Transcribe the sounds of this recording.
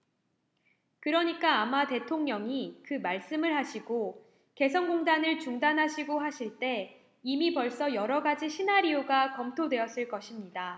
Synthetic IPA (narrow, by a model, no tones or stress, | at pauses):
kɯɾʌɲik͈aːmate̞tʰoŋɲʌŋikɯmaɭs͈ɯmɯɭɦaɕʰiɡo | ke̞sʰʌnɡoŋdanɯɭt͡ɕuŋdanɦaɕʰiɡoɦaɕʰiɭt͈e̞ | imipʌɭs͈ʌjʌɾʌɡad͡ʑiɕʰinaɾioɡakʌmtʰodwe̞jʌs͈ɯɭk͈ʌɕʰimɲida